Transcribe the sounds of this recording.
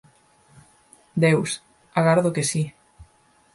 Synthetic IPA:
d̪ews | aɣaɾðokesi

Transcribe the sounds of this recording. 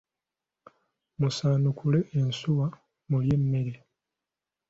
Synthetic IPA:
musaːnukʰule̞ʔːnsuwa | mulje̞mːeɾe

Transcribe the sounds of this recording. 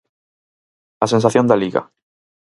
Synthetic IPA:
asens̬aθjond̪aliɣa̰

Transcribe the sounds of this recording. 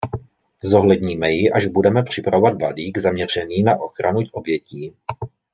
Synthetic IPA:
zo̞ɦlɛdɲiːmɛjɪʔaʒbudɛmɛpr̝̥ɪpɾavo̞vad̪valiːɡzamɲɛr̝ɛniːnaʔo̞xɾʔanucʔo̞bjɛciː

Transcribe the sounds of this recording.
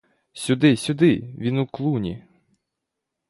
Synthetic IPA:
sʲʊd̪ɪsʲʊd̪ɪʋʲinuklˠunʲḭ

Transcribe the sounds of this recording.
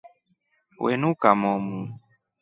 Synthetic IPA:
wɛ̰nukamɔmu

